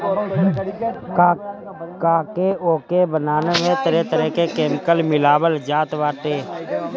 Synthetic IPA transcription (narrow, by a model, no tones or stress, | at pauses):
kaːkeʔoːkebənaːnemẽt̪əɾɛt̪əɾəɦkekeːmɪkəlmɪlaːbəld͡ʒaːt̪ʋaːʈeː